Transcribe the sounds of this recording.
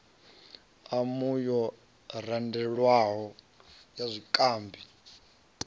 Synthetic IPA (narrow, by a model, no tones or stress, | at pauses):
amujɔ | randɛɺwaɦɔ | jazʷikʼaːmbʱi